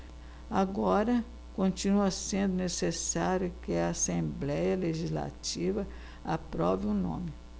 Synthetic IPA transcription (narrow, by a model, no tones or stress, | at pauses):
aɡɔɾɐ | kõt͡ʃinuɐsẽnd̪ʊnesesaɾjʊkɪɐasẽmblɛjɐleʒizla̰t͡ʃivɐ | apɾɔvɪʊnõ̰mɪ